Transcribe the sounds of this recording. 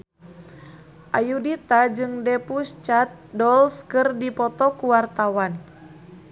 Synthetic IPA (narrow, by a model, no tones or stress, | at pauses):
ʔajudit̪ad͡ʒɨŋdɛpust͡ʃat̪̚dɔlskɨrdipɔt̪ɔkuwart̪awan